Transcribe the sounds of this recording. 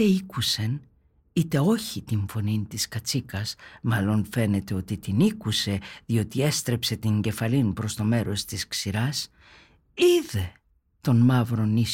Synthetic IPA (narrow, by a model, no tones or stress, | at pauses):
eikuse̞n | it̪e̞o̞çit̪iɱfo̞nint̪iskɐt͡sikɐsmɐlo̞nfe̞ne̞t̪eo̞t̪it̪inikuse̞ðio̞t̪ie̞st̪ɾe̞pse̞t̪iɲɟe̞fɐlinpɾo̞st̪o̞me̞ɾo̞st̪isksiɾɐs | iðe̞ | t̪o̞nmɐvɾo̞nis